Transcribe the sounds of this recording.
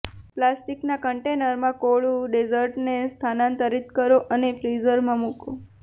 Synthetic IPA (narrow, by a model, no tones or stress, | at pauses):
plasʈiknakəɳʈenəɾmãkoɭũɖezəɾʈnest̪ʰanãnt̪əɾit̪kəɾoʔənefɾizəɾmãmuko